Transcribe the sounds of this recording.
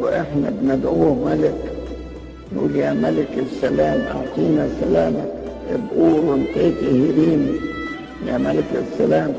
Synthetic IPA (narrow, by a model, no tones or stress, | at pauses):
wʔeħnæbnad̪ʔuːhmælɪk | nʔṵːljaːmælɪkesːælæːmʔa̰wqiːnæsælæːmæ | ʔebʔuːɾɪnt̪eːt̪elhiɾiːmi | jæːmælɪka̰sːælæːm